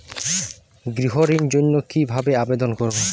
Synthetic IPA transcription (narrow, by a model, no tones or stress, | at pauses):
ɡɾiɦoɾind͡ʑonːokibʱabeabed̪onkɔɾo